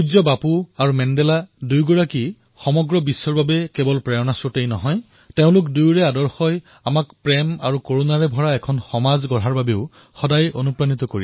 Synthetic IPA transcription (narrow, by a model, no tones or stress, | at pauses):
uzɔbapuaɹumɛndɛladujɡɔɹaki | xɔmɔɡɹɔbisːɔɹbabɛkɛbɔlpɹɛɔnasɔtejnɔɦɔj | teʊ̃lʊkdujɹɛadɔɹxɔj | amakpɹɛma̰ɹukoɹunaɹɛbʱɔɹaɛkʰɔnxɔmazɡɔɹaɹbabeʊ | xɔdajo̰nupɹanit̪ɔkoɹi